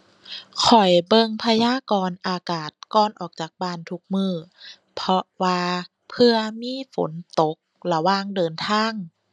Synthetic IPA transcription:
kʰɔ˨˩jbɤ˧ŋpʰa˧jaː˧˥˨kɔː˧nʔaː˧kaː˨˩t̪̚kɔː˧˨nʔɔː˨˩k̚t͡ɕaː˨˩k̚baː˧˩nt̪ʰu˧˦k̚mɯː˧˩ | pʰɔ˧waː˧ | pʰɯ˧ɐmiː˧˥˨fo̰˩˦nt̪o˨˦k̚la˧waː˧˨ŋdɤː˧nt̪ʰaː˧˥˨ŋ

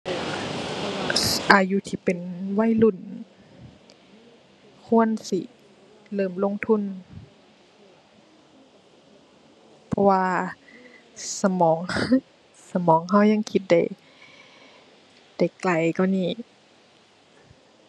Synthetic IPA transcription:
ʔaː˨˩juː˧˦t̪ʰiː˧˩pe˨nwa˧˥˨jlu˧˩˨n | kʰu˧˥˨ənsi˧˦ | lɤː˧˩˨mlo˧˥˨ŋt̪ʰu˧˥˨n | pʰɔ˧waː˧ | sa˧˦mɔː˨˦ŋ | sa˧mɔː˨˦ŋɦa˧˥˩wɲa˧˥˨ŋkʰi˧˦t̪̚da̰˧˩j | d̥a˧˩jkla˧˩jkɔ˧˩niː˧˩

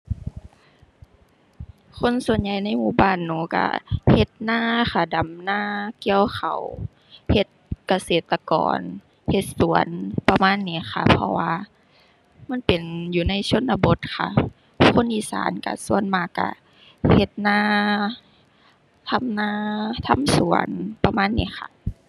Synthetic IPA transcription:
kʰo˧˥˨nsu˨˩ənɲa˧˩jna˧˥˨jmuː˧˩baː˧˥˨nːuː˧˦ka̰˧˩he˧˦t̪̚naː˧˥˨xa˧˩da˨˦mnaː˧˩˨ki˧əwxa˨˧˩w | he˧˦t̪̚ka˧seː˨˩t̪ːa˧kɔ̰ː˨˩n | he˧˦t̪̚su˨˩˦ənpa˧maː˧˥˨nːiː˧˩˨xʰa˧˩pʰɔ̰˧waː˧ | ma˧˥˨npe˨˩njuː˧na˧˥˨jso˧˥˨nːa˧bo˧˦t̪̚kʰa˧˩ | kʰo˧˥˨nʔiː˧˩sa̰ː˨˦nka̰˧˩su˧˨ənmaː˧˩ka̰˧˩ | he˧t̪̚naː˧˥˨ | t̪ʰa˧˥˨mnaː˧˥˨t̪ʰa̰˧˥˨msu˨˩˦ənpa˧maː˧˥˨nːiː˧˥˨xʰa̰˧˩

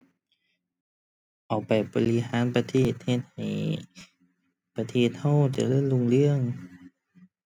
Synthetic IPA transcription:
ʔa˨˩wpa˨˩jbɔː˨li˧haː˨˦npa˧t̪ʰeː˧˩t̪̚he˧t̪̚ha˨˩j | pa˧t̪ʰeː˧˩t̪̚ha˧˥˩wt͡ɕa̰˧˩lɤː˧˥˨nlu˧˩˨ŋlɯ˧˩˨əŋ

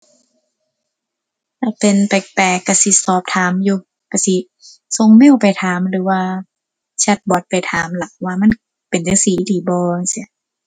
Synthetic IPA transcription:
t̪ʰa˧˩pe˨npa˨˩k̚pɛː˨˩kːa˧˩si˧˦sɔː˨˦p̚t̪ʰaː˨˦mjuː˧ | ka˧˩si˧˦ | so˧ŋmeː˧˥˨wpa˨jt̪ʰaː˨˦mɾɯː˨˦waː˧ | t͡ɕʰa˧˦t̪̚bɔː˨˦t̪̚pa˨jt̪ʰaː˨˦mla˨˦k̚waː˧ma˧˥˨n | pe˨nt͡ɕa˧˦ŋsiː˨˦diː˨˩˦bɔː˧si˧˦

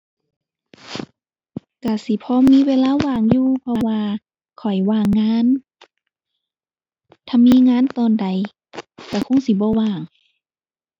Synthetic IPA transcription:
ka˧˩si˧˦pʰɔː˧˥˨miː˧˥˨weː˧˥˨laː˧˥˨waː˧˩˨ŋjuː˧˨pʰɔː˧waː˧ | kʰɔ˨˩jwaː˧˩ŋːaː˧˥˨n | t̪ʰa˧˥mːiː˧˥˨ŋaː˧˥˨nt̪ɔː˧˨nda˨j | ka˧˩kʰo˧˥˨ŋsi˧˦bɔː˧˦waː˧˩ŋ

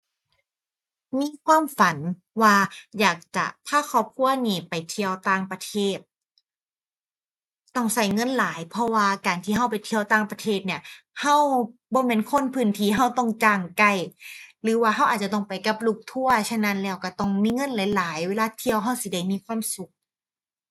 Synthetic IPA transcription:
miː˧˥˨kʰwaː˧˥˨mfa˨˦n | waː˧jaː˨˩k̚t͡ɕa̰˨˩t̪ʰaː˧˥˩kʰɔː˧˩p̚kʰu˧˩əniː˧˩pa˨˩jt̪ʰi˧əwt̪aː˧˩ŋpɾa˧t̪ʰeː˧˩t̪̚ | t̪ɔ˧˥˩ŋsa˧˩jŋɤ˧˥˨nlaː˨˩˦jpʰɔ˧˥waː˧kaː˨˩nt̪ʰiː˧˩ɦa˧˥˩wpa˨˩jt̪ʰi˧əwt̪aː˧˩ŋpɾa˧t̪ʰeː˧˩t̪̚ni˧˩ɐha˧˥˩wbɔː˧˦mɛː˧˥˨nkʰo˧˥˨npʰɯː˧˥˩nt̪ʰiː˧˦ɦa˧˩wt̪ɔ˧˩ŋt͡ɕaː˧˩ŋka˧˩jlɯː˨˦waː˧ɦa˧˥˩wʔaː˨˩t̪̚t͡ɕa˧t̪ɔ˧˩ŋpa˨jka˧˩p̚luː˧˩k̚t̪ʰu˧˥˩ɐt͡ɕʰa˧˨na˧˥˨nlɛː˧˩wka˧˩t̪ɔ˧˩ŋmiː˧˥˨ŋɤ˧˥˨nla˨˦jlaː˨˦jweː˧laː˧t̪ʰi˧əwɦa˧˥˩wsi˧˦da˧˩jmiː˧˥˨kʰwaː˧˥˨msu˨˦k̚

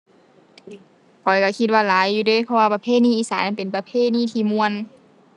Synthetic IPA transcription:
kʰɔ˨˦jka˧˩kʰi˧t̪̚waː˧˨laː˨˦jːuː˧dɤː˧˥˨jpʰɔ˧waː˧pa˧pʰeː˧˥˨niː˧˥˨iː˧˥saː˨˦na˧˨npe˨npa˧pʰeː˧˥˨niː˧˥˨t̪ʰiː˧˨mu˧ə˨n

